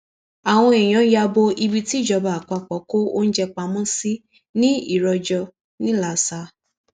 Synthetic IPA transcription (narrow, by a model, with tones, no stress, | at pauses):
a˨w̃ɔ̃˧e˨j̃ã˨˦ja˧bo˧i˧bi˧ti˦˨d͡ʒɔ˧ba˨a˨k͡pa˧k͡pɔ˨˦ko˦o˦n̩˦d͡ʒɛ˧k͡pa˧mɔ̃˦si˦ | nĩ˦ḭ˦˨ɾɔ˧d͡ʒɔ˧ | nĩ˦la˨sa˧